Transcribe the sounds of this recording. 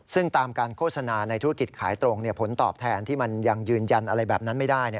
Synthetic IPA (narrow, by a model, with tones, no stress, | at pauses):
sɯ˥˩ŋt̪aː˧mkaː˧nkʰoː˥˩t̚sa˧naː˧na˧jt̪ʰu˦˥ki˨˩t̪̚kʰaː˩˦jt̪ɾo˧ŋni˥˩ɐpʰo˩˦nt̪ɔ̰ː˨˩p̚t̪ʰɛː˧nt̪ʰiː˥˩ma˧nja˧ŋjɯː˧nja˧nʔa˧ɾa˧jbɛː˨˩p̚na˦˥nma˥˩jdaː˥˩jni˥˩